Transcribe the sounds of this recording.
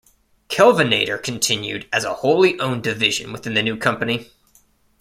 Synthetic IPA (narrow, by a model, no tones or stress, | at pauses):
kʰɛlˠvɨneɪɾə˞kʰn̩tʰɪ̃njʉ̰ɾɨzəhoʊlˠiʔõʊ̃ndɨvɪʒɨ̰̃nwɨθɪ̃nðɨnʉkʰʌ̃mpɨni